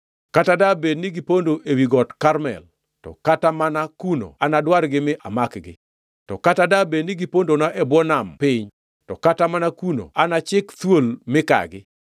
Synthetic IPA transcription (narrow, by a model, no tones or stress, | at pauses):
katadabednɪɡɪpondoʔewiɡɔtkaɾmɛ̰l | tɔ̰katamanakuno̰anadwaɾɡɪmɪʔamakɡɪ̰ | tɔ̰katadabenɪɡɪpondonaʔɛbwɔnampɪɲ | tɔkatamanakuno̰anat͡ʃɪkt̪wolmɪka̰ɡɪ